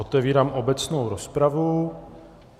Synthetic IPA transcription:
ot̪ɛviːɾaːmʔobɛt͡snowɾospɾavu

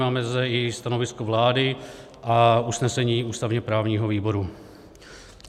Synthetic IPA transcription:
aːmɛzdɛɪst̪ano̞vɪskovlaːdɪ | ʔausnɛsɛɲiːuːst̪avɲɛpɾaːvɲiːɦoviːbo̞ɾu

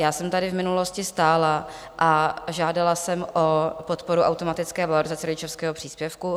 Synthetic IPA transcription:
jaːsɛmt̪adɪvmɪnulo̞scɪst̪aːla | ʔaʒaːdalasɛmʔopot̪poɾuʔa̰wt̪omat̪ɪt͡skɛːvaloɾɪzat͡sɛɾoɟɪt͡ʃofskɛːɦopr̥iːspjɛfku

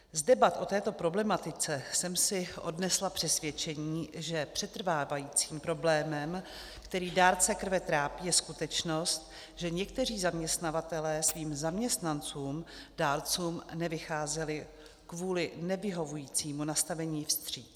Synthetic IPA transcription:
zdɛbat̪ʔo̞t̪ɛːt̪o̞pɾo̞blɛmat̪ɪt͡sɛsɛmsɪʔo̞dnɛslapr̝̥ɛsvjɛt͡ʃɛɲiːʒɛpr̥ɛt̪r̩vaːvajiːt͡siːmpɾo̞blɛːmɛm | kt̪ɛɾiːdaːɾt͡sɛkr̩vɛt̪ɾaːpiːjɛskut̪ɛt͡ʃno̞st̪ | ʒɛɲɛkt̪ɛriːzamɲɛst̪navat̪ɛlɛːsviːmzamɲɛst̪nant͡suːmd̥aːɾt͡suːmnɛvɪxaːzɛlɪ | kvuːlɪnɛvɪɦo̞vujiːt͡siːmunast̪avɛɲiːfst̪r̝̥iːt̪

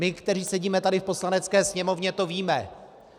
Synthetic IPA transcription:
ɪkt̪ɛɾ̝iːsɛɟiːmɛt̪adɪfpo̞slanɛt͡skɛːsɲɛmo̞vɲɛt̪o̞viːmɛ

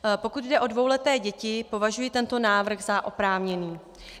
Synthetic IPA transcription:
po̞kud̪dɛʔo̞dvo̞wlɛt̪ɛːɟɛcɪpo̞vaʒujɪt̪ɛnt̪o̞naːvr̩xɣzaʔo̞pɾaːvɲɛniː

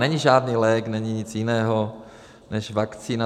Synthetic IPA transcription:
nɛɲiʒaːdniːlɛːknɛɲiɲɪt͡sjɪnɛːɦo | nɛʃvakt͡siːna

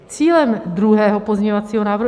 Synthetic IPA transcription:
t͡siːlɛmd̪ɾuɦɛːɦopozɲeɲovat͡siːɦonaːvɾ

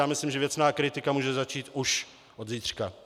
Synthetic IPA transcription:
aːmɪslimʒɛvjɛt͡snaːkɾɪt̪ɪkamuːʒɛzat͡ʃiːt̪ʔuʃ | ʔod̪ziːt̪r̥ka

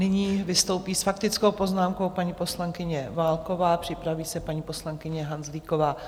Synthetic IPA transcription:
nɪɲiːvɪst̪o̞wpiːsfakt̪ɪt͡sko̞wpo̞znaːmko̞wpaɲiːpo̞slaŋkɪɲɛvaːlko̞vaːpr̥ɪpɾaviːsɛpaɲiːpo̞slaŋkɪɲɛɦanzliːko̞vaː

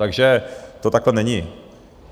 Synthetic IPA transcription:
t̪aɡʒɛt̪ot̪aklɛnɛɲi

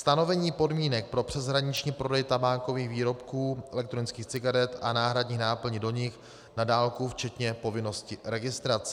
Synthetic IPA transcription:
st̪ano̞vɛɲiːpo̞dmiːnɛk̚pɾo̞pr̥ɛzɦɾaɲɪt͡ʃɲiːpɾo̞dɛjt̪abaːŋko̞viːxviːɾo̞pkuːʔɛlɛkt̪ɾonɪt͡skiːxt͡sɪɡaɾɛt̪anaːɦɾadɲiːxnaːpl̩ɲɪdo̞ɲɪx | nadaːlkuft͡ʃɛt̪ɲɛpo̞vɪno̞scɪɾɛɡɪst̪ɾat͡s

